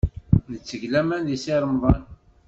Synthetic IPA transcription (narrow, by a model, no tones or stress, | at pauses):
nət͡sːəʝlæmænðisiɾˤəmðˤɑn